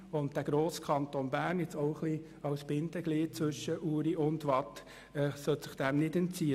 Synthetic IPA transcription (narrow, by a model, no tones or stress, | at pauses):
ʊnt̚d̥æɡ̥ɾoːskʰɑntonbæːrnjɛt͡sɔχli | ɑwsb̥ɪndəɡliːt̚t͡sʋʏʃəʔuːɾiʔʊndʋɑt | ɛːsœtsɪχd̥æmnɪdɛnt͡siːə